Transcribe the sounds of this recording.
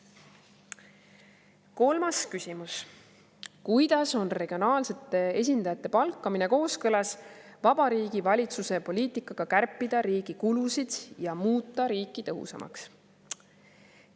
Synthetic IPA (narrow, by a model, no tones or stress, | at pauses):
ko̞lmɑskysʲimus | kujd̪̥ɑso̞nre̞ɡ̥io̞nɑːlse̞t̪ːˑe̞e̞s̬ʲind̪̥ɑjɑt̪ːˑe̞pɑlkːˑɑmineko̞ːskɤlɑsvɑb̥ɑɾiːɡ̥ivɑlʲit̪suse̞po̞lʲiːt̪ikːˑɑɡ̥ɑkærpˑːid̪̥ɑɾiːɡ̥ikulusid̪̥jɑmuːt̪ˑːɑɾiːkːˑit̪ɤ̞ɦṵsɑ̰mʔɑ̰ks